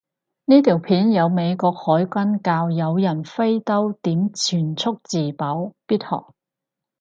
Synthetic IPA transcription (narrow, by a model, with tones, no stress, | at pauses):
niː˥t̪ʰiː˨˩wpʰiː˨˥njɐ˨˧wme˨˧jkʷɔː˧k̚hɔː˨˥jkʷɐ˥nkaː˧wjɐ˨˧wjɐ˨˩nfe˥jt̪ɐ˥wt̪iː˨˥mt͡sʰyː˨˩nt͡sʰʊ˥k̚t͡siː˨˩pɐ˨˥wpiː˥t̚hɔ̰ː˨˩k̚